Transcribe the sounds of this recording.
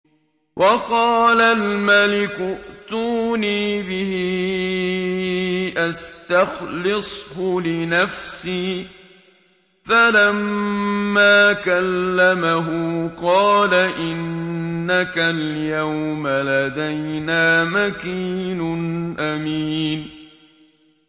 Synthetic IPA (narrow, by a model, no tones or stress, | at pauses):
wʔɑqɑːlalmalɪkʊʔt̪uːniːbɪhɪ | ʔast̪axlɪsˤhʊlɪnafsiː | falamː | aːkalːamaɦʊqɑːlaʔɪnːakaljawmalad̪ajnaːmakiːnʊnʔamiːn